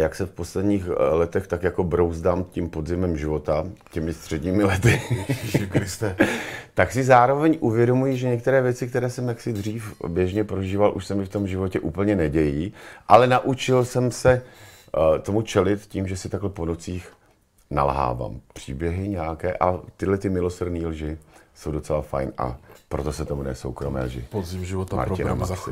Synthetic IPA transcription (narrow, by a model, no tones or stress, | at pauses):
jaksɛfpo̞slɛdɲiːxlɛt̪ɛxt̪akjako̞bɾowzdaːmcimpo̞dzɪmɛmʒɪvo̞t̪acɛmɪst̪r̝̥ɛdɲiːmɪlɛt̪ɪ | kɾɪst̪ɛt̪aksɪzaːɾo̞vɛɲʔuvjɛdo̞mujiːʒɛɲɛkt̪ɛɾɛːvjɛt͡sɪk̚t̪ɛɾɛːsɛmjaksɪd̪r̝iːfbjɛʒɲɛpɾo̞ʒiːvalʔuʃsɛmɪft̪o̞mʒɪvocɛʔuːpl̩ɲɛnɛɟɛjiːʔalɛnaʔut͡ʃɪlsɛmsɛ | t̪o̞mut͡ʃɛlɪt̪ciːmʒɛsɪt̪aɡlɛpo̞not͡siːx | na̰lɦa̰ːva̰ːmpr̝̥iːbjɛɦɪɲɛjakɛːʔat̪ɪdlɛt̪ɪmɪlo̞srdniːlʒɪsowdo̞t͡sɛlafa̰jnʔa̰pɾo̞t̪o̞sɛt̪omunɛ̰so̰wkɾomɛ̰ːlʒɪ̰pozɪmʒɪvot̪ama̰ɾɪ̰na̰masɪ